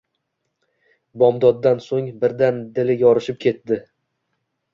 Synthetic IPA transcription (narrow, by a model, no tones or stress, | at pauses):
bɒmd̪ɒd̪ːansoŋbɪɾd̪and̪ɪlɪjɒɾɪʃɪp̚kʲʰe̞t̪d̪ɪ